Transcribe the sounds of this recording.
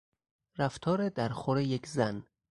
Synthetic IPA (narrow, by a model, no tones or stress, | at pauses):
ræft̪ʰɒːɾed̪æɾxoɾejekʰzæn